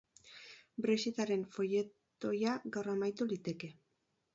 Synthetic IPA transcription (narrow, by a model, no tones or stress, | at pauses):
bɾesit̪aɾe̞nfo̞je̞t̪ | o̞jaɡawramajt̪ulit̪e̞ke̞